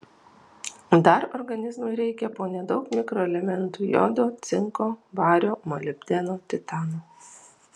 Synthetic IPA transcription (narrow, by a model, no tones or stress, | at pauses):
d̪ɐɾɔɾɡɐnʲɪzmʊɪɾʲɛɪkʲɛpoːnʲɛd̪ɒʊkmʲɪkɾoɛlʲɛmʲɛnt̪uːjɔ̰d̪oːt̪sʲɪŋkoːʋɑːɾʲoːmɐlʲɪbʲd̪ʲɛnoːt̪ʲɪt̪ɑːnoː